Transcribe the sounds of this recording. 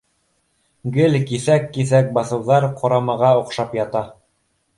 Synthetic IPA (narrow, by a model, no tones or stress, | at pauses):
ɡɘlkiθækːiθæk̚bɑθɤ̆wðɑɾqʰŏɾɑmɑʁɑŏqʃɑpjɑt̪ɑ